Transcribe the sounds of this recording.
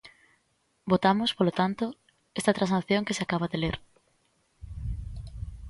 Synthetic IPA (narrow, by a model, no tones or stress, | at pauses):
bot̪amospolot̪ant̪o | est̪at̪ɾãnsaθjõŋkeseakaβaðeleɾ